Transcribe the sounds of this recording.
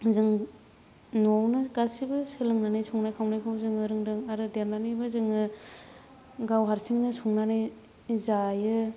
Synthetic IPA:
zɯŋ | nɔwnɯɡasibɯsɯlɯŋnanajsʰuŋnajkʰawnajkʰawzɯŋɯɾɯŋdɯŋaɾɯdelnanɯjbɯzɯŋɯ | ɡawɦaɾsiŋnɯsuŋnanɯj | zajɯ

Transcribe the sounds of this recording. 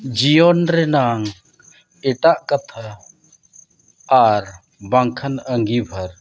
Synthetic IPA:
d͡ʒijɔnɾɛnaŋ | ɛʈaʔkat̪ʰa | ɾ | baŋkʰanəŋɡibʱaɾ

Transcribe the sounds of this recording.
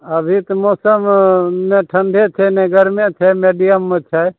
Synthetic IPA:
əbʱit̪moːsəmnẽʈʰənɖʱet͡ʃʰenẽɡəɾmẽt͡ʃ̪ʰɛmeːɖijəmːẽt͡ʃʰɛ

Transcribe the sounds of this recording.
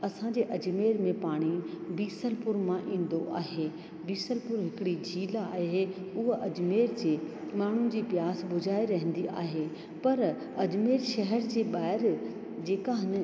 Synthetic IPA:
ɐsãd͡ʑeːʔɐd͡ʑmeːɾmẽpaːɽ̃ibiːsəlpʊɾmãʔĩːn̆d̪oʔa̰ːɦeː | biːsəlpʊɾɦɪkɪɽid͡ʑʱiːlaːɦɦe | ʊɦʔɐd͡ʑmeːɾd͡ʑeːmaːɳ̤ʊnɪ̆d͡ʑiːpjaːsbʊd͡ʑʱaːiɾɐɦə̃nd̪iʔa̰ːɦeː | pɐɾ | ɐd͡ʑmeːɾʃɐɦəɾd͡ʑeːɓaːɪɾ | d͡ʑeːkaɦɪn̆

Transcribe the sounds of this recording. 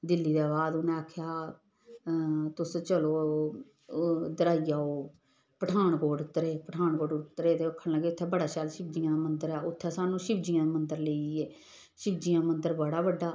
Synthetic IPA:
d̪ɪlːiːd̪aːbaːd̪ʊnẽːaːkʰːjaː | t̪ʊst͡ʃəloː | d̪əɾaːiːaːoː | pəʈʰaːɳkoːʈʊt̪ːəɾeːpəʈʰaːnkoːʈʊt̪ːɾeːt̪eːʊkʰːənləɡeːʊt̪ʰːɛːbəɽaːʃaːlʃɪb̚d͡ʒijãːmənd̪əɾɛːʊt̪ʰːɛːsaːnũːʃɪbd͡ʒijãːmənd̪əɾleiɛː | ʃɪbd͡ʒijãːmənd̪əɾbəɽaːbəɖːaː

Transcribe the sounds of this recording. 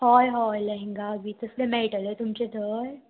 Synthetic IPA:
hɔːjɦɔːjlɐ̃ɦẽŋɡabʱit̪əslemɛːʈəlet̪ʊmt͡ʃed̪ʱəːj

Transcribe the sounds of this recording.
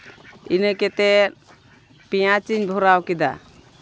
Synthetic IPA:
inəkɛt̪ɛt̪̚ | pijat͡ʃiɲbʱɔɾawkid̪a̰

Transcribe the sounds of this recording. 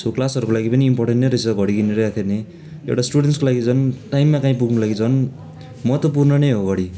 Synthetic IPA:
sʰoklasʌɾukolaɡipʌniːmporʈenʈneɾʌt͡sʰʌɡʱʌɽiɡineɾʌjakʰene | ḛwʈasʈuɽenʈskolaɡit͡sʰʌnʈajmːakaĩpuɡnulaɡit͡sʰʌn | mʌt̪ʌp̬urnʌnʌjɦoɡʌɽi

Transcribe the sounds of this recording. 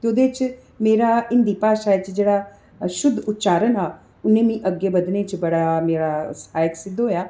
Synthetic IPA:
t̪eod̪eːt͡ʃ | meːɾaɪnd̪iːpaːʃaːjt͡ʃd͡ʒeːɽa | ʃʊd̪ʱʊt̪ːt͡ʃaːɾənɦaː | ʊnːẽːmĩːʔəɡːebɐd̪net͡ʃbɐɽameːɾasaːjəksɪd̪ʱːoɦojaː

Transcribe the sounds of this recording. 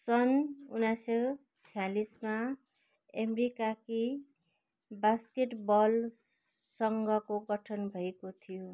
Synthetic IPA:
sʌnunːasʌ | t͡sʰijalisma | emɾikaki | baskeʈbʌl | sʌŋɡʌkoɡʌʈʰʌnbʱʌekot̪ʰijo

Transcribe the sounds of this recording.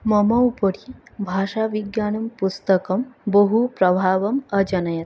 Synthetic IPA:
mɐmɐwpəɾibʱaːʃaʋiɡjaːnɐmpust̪ɐkɐmbəɦupɾɐbʱaːʋɐmɐd͡ʒɐnɐjɐt̪̚

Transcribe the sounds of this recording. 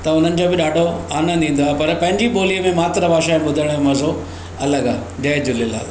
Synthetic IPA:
t̪ɐʊn̤ənɪ̆d͡ʑoːbɪɗaːɖʱoaːnə̃d̪ĩːn̆d̪oaːɦepɐɾpɐ̃ɦɪ̃ɲd͡ʑiɓoːliəmẽmaːt̪ɾəbʱaːʃaːɪ̃ɓʊd̪ʱəɽ̃mɐzʱo | ɐləɡaːd͡ʑɐːd͡ʑʊlɪla̰ːl

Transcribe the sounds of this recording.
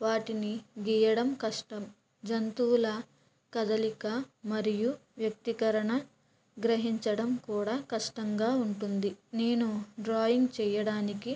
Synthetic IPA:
ʋaːʈiniɡijɐɽɐmkɐʂʈɐm | d͡ʒɐnt̪uːlɐ | kɐd̪ɐlikɐmɐɾijuʋjɐk̚t̪ikɐɾɐɳɐ | ɡɾɐɦiɲt͡ʃɐɽɐmkuːɽaːkɐʂʈɐŋɡaːuɳʈund̪ine̞ːnuɖɾaːjiŋɡt͡ʃɛːjɐɽaːniki

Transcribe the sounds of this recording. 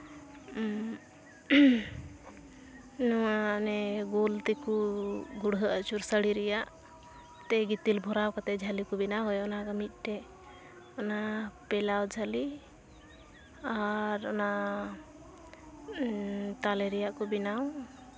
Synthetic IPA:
nɔwanɛɡolt̪ɛkuɡuɽɦəʔət͡ʃuɾsəɽiɾɛjaʔ | t̪ɛɡit̪ilbʱɔɾawkat̪ɛd͡ʒʱalikubinaɦɔjɔnaɡəmit̪̚ˀʈɛ | ɔnapɛlawd͡ʒʱali | aɾɔ̰na | t̪alɛɾɛjaʔkɔbinaw

